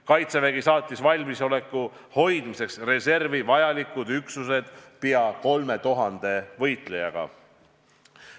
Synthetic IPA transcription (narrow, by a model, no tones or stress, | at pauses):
kɑjt̪seveɡisɑːt̪ʲːˑisvɑlʲmiso̞le̞kːu | ho̞jd̪̥mise̞ksre̞se̞rvivɑjɑlikːˑud̪yksuse̞d̪̥piɑko̞lme̞t̪uɦɑnd̪̥e̞vɤ̞jt̪ˑle̞jɑɡ̥ɑ̰